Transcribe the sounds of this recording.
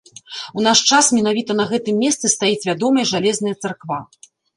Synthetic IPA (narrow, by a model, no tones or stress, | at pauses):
unaʂt͡ʂasmʲɛn̪avʲit̪ɐnɐɣɛt̪ɨmːʲɛst̪sɨst̪ajit͡sʲvʲad̪ɔmɐjɐʐalʲɛzn̪ɐjɐt̪sarkva